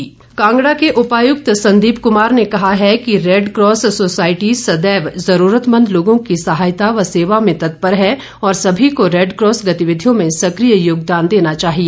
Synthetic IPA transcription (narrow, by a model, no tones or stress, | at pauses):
kãːŋɡɽakeʔʊpaːjʊk̚t̪sɐ̃nd̪iːbkʊmaːɾnekɐɦaɦɛkiɾeːɖkɾɔːssoːsaːɪʈisɐd̪ɛːʋzɐɾuːɾət̪mə̃nd̪loːɡõkisɐɦaːjt̪aʋɐseːʋamẽt̪ɐt̪̚pəɾɦɛ | ɔːɾsɐbʱikoɾeːɖkɾɔːsɡɐt̪ɪʋɪd̪ʱjõmẽsɐkɾijəjoːɡd̪aːnd̪eːnat͡ʃaːɦie